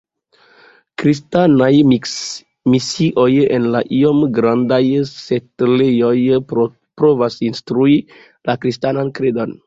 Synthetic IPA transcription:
kɾistanaj | misiʔo̞jenlaʔiomɡɾandajsetlejo̞j | pɾovasinstɾui | lakɾistanankɾedo̞n

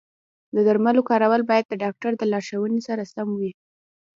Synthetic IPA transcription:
d̪əd̪aɾmalokɑɾawəlbɑjad̪̚ːəɖɑk̚ʈaɾd̪əlɑɾʃawənesaɾasamwi

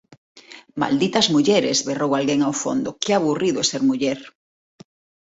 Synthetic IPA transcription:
ma̰ld̪it̪ɐzmuʎeɾḛzβerowalɣeŋawfo̰nd̪okeaβuriðoeseɾmuʎeɾ

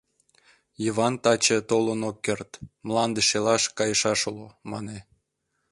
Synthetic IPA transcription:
jiβɑnt̪ɑt͡ɕet̪olənokːert̪mlˠɑnd̪əʃelɑʃkɑjəʃɑʃolomɑne

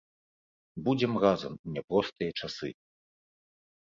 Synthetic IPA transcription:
bud͡zʲɛmɣazɐmunʲɛpɾɔst̪ɨjɐt͡ʂasɨ̰

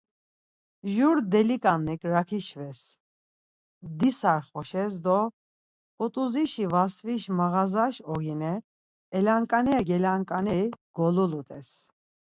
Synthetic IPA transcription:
ʒuɾd̪ɛlikʼanːɛkʼɾakʰiʃvɛs | d̪isaɾχɔʃɛs̬d̪ɔ | ɔt̪ʼuziʃivasviʃmaɣazaʃɔɡinɛː | laŋkʼanɛɡɛlaŋkʼanɛɡ̥ɔlulut̪ʼɛs

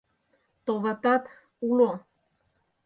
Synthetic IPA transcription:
t̪ovat̪at̪ | ulo

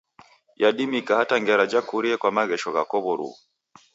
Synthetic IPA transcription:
jaɗimikahataŋɡɛɾad͡ʒakuɾiɛkwamaɣɛʃɔɣa̰kɔβɔɾṵ

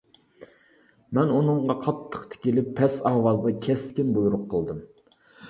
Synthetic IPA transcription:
mɛnunɨɴʁɑqʰɑt̪ʰːə̥qt̪ʰɪ̥kʲilɪpʰːɛsɑːwɑzd̪ɑkʲʰɛskʲinbujuɾʊqʰːəlˠd̪ɨm

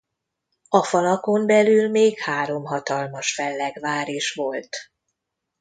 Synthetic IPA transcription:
ɒfɒlɒko̞mbɛlylmeːkhaːɾo̞mɦɒt̪ɒlmɒʃfɛlːɛɡvaːɾeːʃʋo̞lt̪

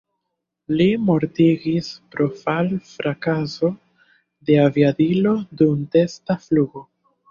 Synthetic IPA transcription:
limo̞ɾtiɡispɾo̞falfɾʔakaso | de̞aviadilo̞dumte̞stafluɡo̞

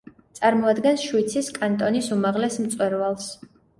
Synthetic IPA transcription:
t̪sʼaɾmɔad̪ɡɛnsʃwit̪sʰiskʼant̪ʼɔnisumaʁlɛsm̩t̪sʼwɛɾvalˠs

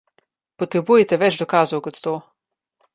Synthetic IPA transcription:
pɔt̪ɾɛbuːjɛt̪ɛʋɛd͡ʒd̪ɔkaːzɔwkɔt̪t̪oː

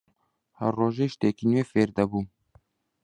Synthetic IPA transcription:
hɛɾrːoːʒeːʃt̪eːkinweːfeːɾd̪ɛbuː

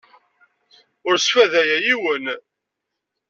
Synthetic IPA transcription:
ʊɾsfæðæjæjiwən

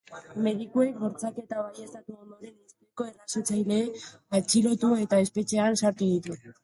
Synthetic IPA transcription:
me̞ð̞ikue̞kβo̞ɾt͡sake̞t̪aβaje̞st̪at̪uond̪oɾenest̪eko̞e̞rasot͡sajle̞ː | at͡ʃilo̞t̪ue̞t̪ae̞spe̞t͡ʃe̞ansaɾt̪uðit̪u

